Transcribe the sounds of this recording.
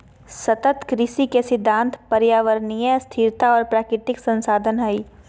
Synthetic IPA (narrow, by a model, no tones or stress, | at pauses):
sɐt̪ət̪kɾɪʃikesɪd̪ʱːãːnt̪ʰpɐɾjaːʋəɾnijəst̪ʰiːɾt̪aɔːɾpɾaːkɾɪt̪ɪksɐ̃nsaːd̪ʱənɦɐiː